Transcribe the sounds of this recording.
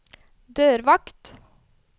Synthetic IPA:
d̪øːɾʋɑkt̪

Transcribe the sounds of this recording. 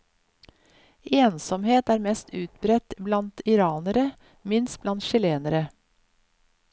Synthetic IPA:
eːnsɔmheːt̪æːɾmɛst̪ʉːt̪bɾɛt̪blɑnt̪ɪɾɑːnəɾə | mɪnst̪̚blɑnt̪ʃɪleːnəɾə

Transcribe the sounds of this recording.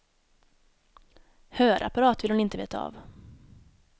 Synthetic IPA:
høːɾʔa̰paɾɑːt̪vɪlhʊnɪnt̪əvḛːt̪ʰaɑ̰v

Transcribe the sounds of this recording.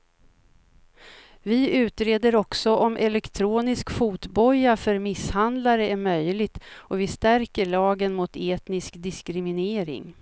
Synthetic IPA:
vɪʉ̟ːt̪ɾeːd̪əɾɔksɔʔɔmʔɛlɛkt̪ʰɾuːnɪskfuːt̪bɔjafœɾmɪshand̪laɾəæmœjlɪt̪ɔvɪst̪æɾkəɭɑːɡənmʊt̪ʰeːt̪nɪskd̪ɪskɾɪmɪneːɾɪ̰ŋ

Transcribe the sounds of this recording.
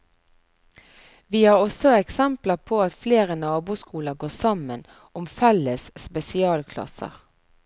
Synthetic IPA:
ʋiːhɑːʁɔsɔɛksɛmpləpʰoːɑt̪fleːʁənɑːbuːskuːləʁɡoːsɑmən | ʊmfɛləsspɛsɪɑːlkʰlɑ̰sə̰ʁ

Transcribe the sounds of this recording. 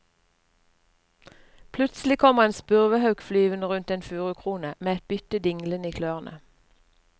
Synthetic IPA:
pʰlʉt̪sl̩ɪkʰɔməʁeːnspʉʁʋəhɑʉkflyːʋənəʁʉnt̪eːnfʉːʁʉkʰʁuːnəmeːɛt̪̚bʏt̪əd̪ɪŋləniːkʰløːʁnʔə̰

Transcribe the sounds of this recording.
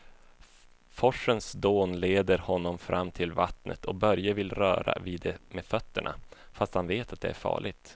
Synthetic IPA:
fɔʂːənsd̪oːnleːd̪əɾhɔnːɔmfɾʔamːt̪ʰɪlvat̪nʔə̰t̪ʰɔbœɾjavɪlɾœ̰ːɾa̰viːd̪ɛmefœt̪ːəɳʔa̰ | fast̪hanveːt̪at̪̚d̪ɛ̰æɾfɑ̰ːɭɪɡt̪

